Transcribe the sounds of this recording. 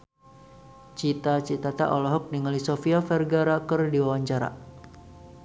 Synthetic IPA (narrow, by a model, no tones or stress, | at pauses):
t͡ʃit̪at͡ʃit̪at̪a̰ʔɔlɔɦɔk̚niŋalisofiafɛrɡaɾakərdiwawaɲt͡ʃaɾa̰